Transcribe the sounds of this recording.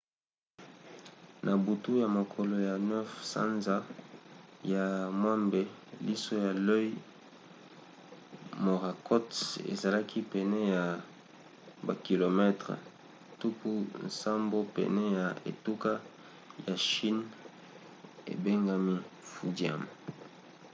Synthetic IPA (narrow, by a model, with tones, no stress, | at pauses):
nʔa˨bu˨tu˦ja˨mo˨kʰo˨lo˨ja˨nɛ˦fsa̰˦nza˦ | ja˨mwa˦mbe˦li˦so˦ja˨lo˦i˦ | mo˨ʁa˨kʰɔ˦tḛ˨za˨la˦kʰi˦pɛ˨nɛ˦ja˨ | ba˨ki˨lo˨mɛ˦tʁḛ˨ | tu˦ku˦nsa˦mbo˦pɛ̰˨nɛ˦ja˨ḛ˨tu˦ka˦ | ja˨ʃi˦n | ḛ˨be˦ŋɡa˨mi˦fu˨dja̰˦˨m